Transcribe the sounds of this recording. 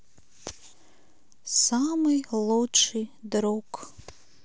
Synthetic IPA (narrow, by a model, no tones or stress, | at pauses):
samɨjlˠɔt͡ʂɨjd̪ɾɔk